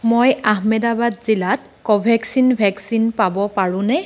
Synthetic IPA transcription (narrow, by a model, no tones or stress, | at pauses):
mojaɦmɛdabadzilat | kɔbʱɛksinbʱɛksinpabɔpaɹʊ̃nɛ